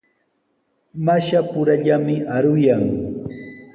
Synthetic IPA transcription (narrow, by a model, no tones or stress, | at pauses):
maʃapʊɾaʎamɪaɾʊjaŋ